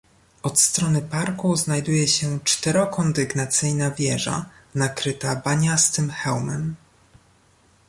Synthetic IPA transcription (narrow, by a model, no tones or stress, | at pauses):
ɔt̪st̪ɾɔnɘpaɾkuznajd̪ujɛɕɛt͡ʂt̪ɛɾɔkɔnd̪ɘɡnat̪sɘjnavʲjɛʐa̰ | nakɾɘt̪abaɲast̪ɘmxɛwmɛm